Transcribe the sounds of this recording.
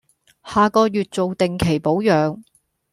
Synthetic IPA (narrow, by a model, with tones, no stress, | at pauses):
haː˨kɔː˧jyː˨t̚t͡so˨wt̪e˨ŋkʰe˨˩jpo˨˥wjœː˨˧ŋ